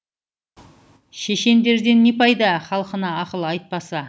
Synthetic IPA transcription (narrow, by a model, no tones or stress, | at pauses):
ʃeʃe̞nd̪e̞ɾd̪e̞nːe̞pɑjd̪ɑχɑlˠəqənɑːqəlˠɑjt̪̚pɑsɑ